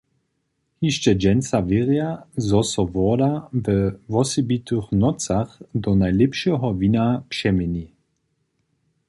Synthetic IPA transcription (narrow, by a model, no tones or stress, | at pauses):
hiʃt͡ʃɛd͡ʒɛnt͡saveʁjazɔsɔvɔːdavɛvɔsɛbitʰøχnɔt͡saχdɔnaɪlɛpʃəɦɔvinapʃɛmɛni